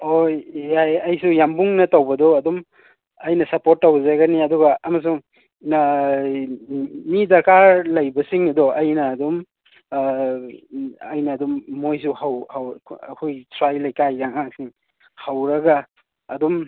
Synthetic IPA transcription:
ojajɐjsujambuŋnɐtawbɐdɔɐdɔm | ɐjnɐsɐpoɾt̚ːawzaɡɐniɐdɔɡɐɐmɐs̬uŋ | midɐɾkaɾlɐjbɐsiŋɐdɔʔɐjnɐːdum | ɐjnɐːdumːojs̬uhawhawɐ̰kʰojtʰɾajlɐjkajdaŋaŋsiŋ | hawɾɐɡaː | dum

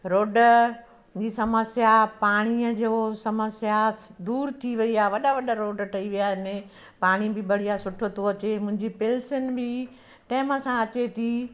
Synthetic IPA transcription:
ɾoːɖ | d͡ʑisɐməsjapaːɽ̃iəd͡ʑoːsɐməsjad̪uːɾt̪ʰiʋɐiaːʋɐɗaʋɐɗaɾoːɖʈʰɐiʋijaɦɪnɪ | paːɽ̃ibɪbɐɽ̤ijasʊʈʰot̪ʰoɐt͡ɕemʊ̃ɦɪ̃ɲd͡ʑipɪlsənbɪ | ʈɛːɪməsãɐt͡ɕet̪ʰiː

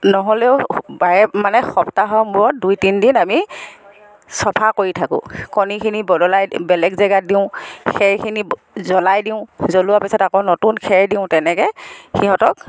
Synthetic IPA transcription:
nɔɦɔlɛʊbaɹɛmanɛxɔptaɦɔmbʊɹɔt̚dujtindinami | sɔpʰakoɹitʰakʊ̰kɔnikʰinibɔdɔlajbɛlɛkzɛɡat̚diʊ̃xɛɹkʰini | zɔlajdiʊ̃zoluwapisɔtakonotunkʰɛɹdiʊ̃tɛnɛkɛxiɦɔtɔk̚

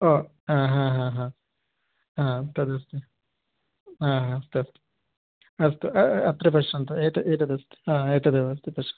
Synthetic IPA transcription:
oː | ãːɦãːɦãɦãː | ɦãːt̪ɐd̪ɐst̪e | ɦãːɦast̪eɐst̪e̥ | ɐst̪eɐɐt̪ːɾɐpɐʂɐnt̪ɐeʈ̪ɐeʈ̪ɐd̪ɐst̪e̥ãːeːʈ̪ɐd̪eɐst̪epɐʂɐ̥

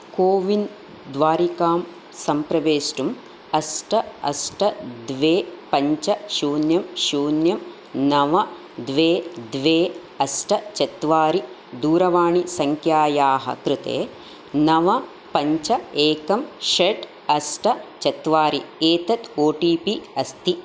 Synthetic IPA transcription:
koːʋin | d̪ʋaːɾikaːm | sɐmpɾɐʋeːsʈum | ɐsʈʰɐɐ̰sʈʰɐd̪ʋeːpɐɲt͡ʃɐʃuːnjɐmʃuːnjɐm | nɐʋɐ | d̪ʋeːd̪ʋeː | ɐsʈʰɐt͡ʃɐt̪ʋaːɾi | d̪uːɾɐʋaːɳisɐŋkʰjaːjaːɦɐ̰kɾɪt̪ḛː | nɐʋɐ | pɐɲt͡ʃɐeːkɐmʃeʈ | ɐsʈɐt͡ʃɐt̪ʋaːɾieːt̪ɐt̪oːʈiːpiɐst̪i

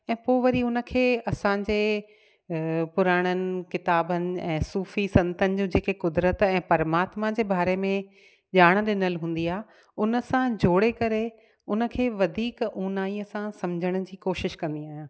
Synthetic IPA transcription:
ɛ̃ːpoːʋɐɾiʊnə̆kʰeːɐsãɲd͡ʑeː | pʊɾaːɽ̃ənɪ̆kɪt̪aːbənɪ̆ɛ̃ːsuːfisɐ̃nt̪ənɪ̆d͡ʑũːd͡ʑeːkekʊd̪ɾət̪ɛ̃ːpɐɾmaːt̪mad͡ʑeːbaːɾemẽ | ʄaːɽ̃ɗɪnəlɦũːn̆d̪iaːɦe | ʊnə̆sãd͡ʑʱoːɽekɐɾe | ʊnə̆kʰeːʋɐd̪ʱiːkuːnaːiəsãsɐmd͡ʑʱəɽ̃əd͡ʑiːkoːʃɪʃkɐ̃nd̪iaːɦjãː

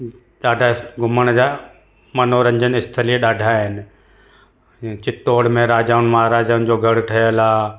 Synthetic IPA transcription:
ɗaːɖʱaːɡʱʊməɽ̃d͡ʑa | mɐnoɾɐ̃ɲd͡ʑənɪst̪ʰəliɗaːɖʱaːɦɪnɪ̆ | t͡ɕɪt̪oːɽmẽɾaːd͡ʑaːʊnmɐɦaːɾaːd͡ʑaːʊnd͡ʑoːɡʱɐɽ̤ʈʰɐjəlaː

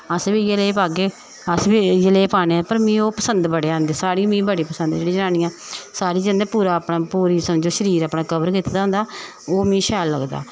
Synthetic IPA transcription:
əsbiːjəleːpaːɡeː | əsbiːjəleːpaːneːapəɾmĩːoːpəsənd̪bəɽeːaːnd̪eːsaːɾiːmĩːbəɽiːpəsə̃nd̪d͡ʒeːɽiːd͡ʒənaːnĩːãːsaːɾiːd͡ʒə̃nd̪eːpuːɾaːpnaːpuːɾiːsəmd͡ʒoːʃəɾiːɾaːpɽaːkəbəɾkit̪ːd̪aːɦʊnd̪aː | oːmĩːʃɛːlːəɡd̪a̰ː

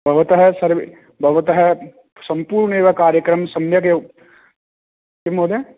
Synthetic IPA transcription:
bʱɐʋɐt̪ɐɦɛsɐɾʋ | bʱɐʋɐt̪ɐɦɛ | sɐ̃mpuːɾɳeːʋɐkaːɾjəkɾɐmsɐmjɐke | kɪmoːd̪e

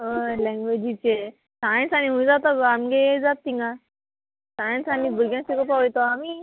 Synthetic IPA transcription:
ɦəlɛ̃ŋɡʋed͡ʑit͡ɕe | sãjnsañĩɦũĩd͡zat̪aɡamɡed͡zat̪̚t̪ːiŋɡa | sãjnsanibəɡjãsekopaʋjt̪oami

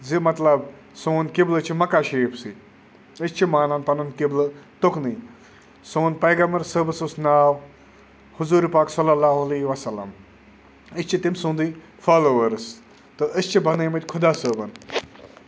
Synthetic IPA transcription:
zimɐt̪lɐb | soːnkɪblɨt͡ʃʰimɐkaːʃeːpʰsi | ɨst͡ʃʰimaːnanp̪ɐnɐnkiblɨt̪ʊkniː | soːnpɐjɡɐmbɐɾsəːbɨsusnaːw | hʊzuːɾipaːksɐlːɐlːaːɦɐleːʋɐsɐlːɐ̰m | ist͡ʃʰit̪imsũːnd̪i | faːloːʋɐɾs | t̪ɨɨst͡ʃʰibʱɐnẽːmɐt̪ʲkʰʊd̪aːsəːbɐn

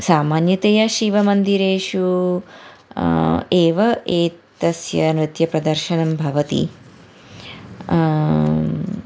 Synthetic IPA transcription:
saːmaːnjɐt̪eːjɐʃiʋɐmɐnd̪iɾeːʂu | eːʋɐʔeːt̪ɐsjɐ̰nɾɨt̪jɐpɾɐd̪ɐɾʃɐnɐmbʱɐʋɐt̪ḭ

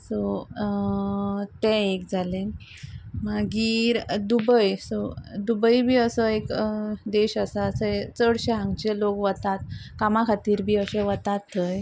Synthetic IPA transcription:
sɔ | t̪ɛ̃ekd͡zʱalẽ | maɡiːɾd̪ubəjsɔd̪ubəibʱiːəsəekd̪eɕasasəet͡səɽɕeɦãŋɡt͡ɕelokʋət̪at̪kamakʰat̪iːɾbʱiːəɕɛʋət̪at̪ːəj

